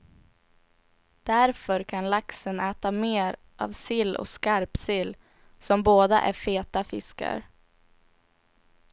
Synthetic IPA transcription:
d̪̥æɾfœɾkʰanlaksənɛːt̪ameːɾ | ʔa̰vsɪlːʔɔ̰skaɾpsɪlː | sɔmboːd̪a̰ʔæ̰ɾfeːt̪afɪska̰ɾ

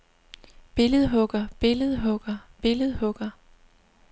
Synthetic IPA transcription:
b̥e̝ləð̞̩ˠɦɔ̽ɡ̥ɐb̥e̝ləð̞ˠɦɔ̽ɡ̥ɐb̥e̝ləð̞̩ˠhɔ̽ɡ̥ɐ

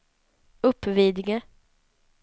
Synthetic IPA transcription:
ɵpːviːd̪ɪɡə

